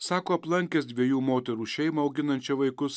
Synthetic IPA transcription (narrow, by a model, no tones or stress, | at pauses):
sɑːkoːɐplˠɐŋʲkʲɛsd̪ʲʋʲiɛjuːmoːt̪ʲɛɾuːʃʲɛɪmɐɐʊɡʲɪnɐnʲt͡ʃʲɛʋɐɪkʊs